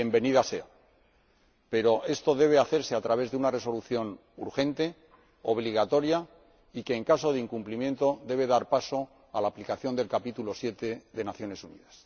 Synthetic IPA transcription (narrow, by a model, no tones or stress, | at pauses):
jembe̞niðase̞a | pe̞ɾo̞ʔe̞st̪o̞ðe̞β̞e̞aθe̞ɾse̞at̪ɾaβe̞zðeunare̞soluθjo̞n | uɾxe̞nt̪e̞ | o̞β̞liɣat̪o̞ɾja | ike̞ːŋkaso̞ðeiŋkumplimje̞nt̪o̞d̪e̞β̞e̞ðaɾpaso̞ | alaːplikaθjo̞nd̪e̞lkapit̪ulo̞sje̞t̪e̞ðe̞naθjo̞ne̞sunḭðas